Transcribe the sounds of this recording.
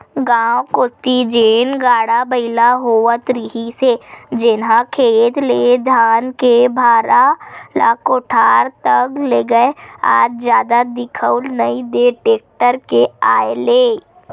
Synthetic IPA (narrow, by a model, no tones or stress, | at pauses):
ɡãːwkʊt̪id͡ʒeːnɡaːɽabəɪlaɦoːət̪ɾɪɦised͡ʒɪnɦãkʰeːt̪leːd̪ʱaːnkebʱaːɾala̰ːkoʈʰaːɾt̪ɐkleːɡəea̰ːd͡ʒzjaːd̪ad̪ɪkʰəʊlnɐid̪eʈeːk̚ʈəɾkeaːeleː